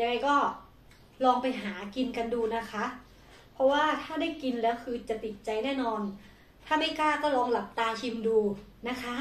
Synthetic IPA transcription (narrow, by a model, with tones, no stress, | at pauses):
ja˧ɾa˧jkɔː˥˩ | lɔː˧ŋpa˧jɦaː˩˦ki˧nka˧nduː˧na˦˥kʰa˦˥ʔ | pʰɔ˦˥waː˥˩t̪ʰaː˥˩da˥˩jki˧nlɛː˦˥wkʰɯː˧t͡ɕa˨˩t̪i˨˩t̪̚t͡ɕa˧jnɛː˥˩nɔː˧n | t̪ʰaː˥˩ma˥˩jkaː˥˩kɔː˥˩lɔː˧ŋla˨˩p̚t̪aː˧t͡ɕʰi˧mduː˧na˦˥kʰa˦˥